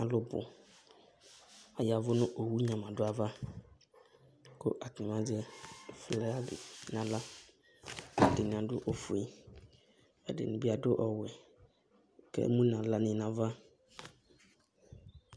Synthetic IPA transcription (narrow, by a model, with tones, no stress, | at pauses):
ã˨lo˦bo̰˨ | a˨ja˨vo˦nũ˦ʔo˨wu˦ɲã˨mã˨ɖo˦a˨va˦ | ko̰˦ʔa˨t̪ĩ˨mã˦d͡ʒe˦o˨fle˦a˦dḛ˨nã˨la˦ | a˨t̪e˨nĩ˨ã˨ɖo˦ʔo˦fu˨i˦ | ḛ˦ɖḛ˨nũ˨bi˦a˨ɖo˦ʔɔ˨we˨˦ | kɛ̰˦mũ˦nã˨la˦nĩ˨nã˨va˦